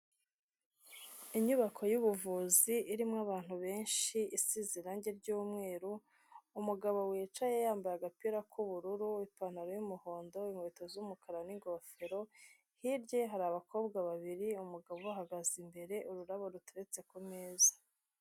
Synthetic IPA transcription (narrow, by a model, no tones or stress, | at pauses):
iɲuβakʰo̞juβuvuːziʔiɾimŋaβaːn̥huβe̞ːnʃiisiziɾaɲɟeɾɟuːmŋe̞ːɾuː | muɡaβo̞wiːt͡ʃajejaːmbajaɡapiɾakʰuβuɾuɾuipan̥aɾojumuho̞ːndo̞imweːtozuumukʰaɾaniŋɡofe̞ɾo̞ | hiɾɟe̞ɦaɾaːβakʰo̞ːbɡaβaβiɾiumuɡaβoaɦaɡazimbe̞ɾe̞ʔuɾuɾaβo̞ɾutuɾet͡se̞kumeːzḁ